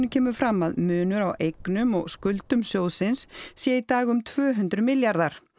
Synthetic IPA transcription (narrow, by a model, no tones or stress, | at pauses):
nɪcʰɛːmʏfɾamːaðmʏːnʏɾawʔejknʏmɔɣskʏlt̪ʏmsjoːwðsɪnsːjɛit̪aːɣʏmt̪ʰvœːɦʏnt̪ɾʏmɪljaɾðaɾ̥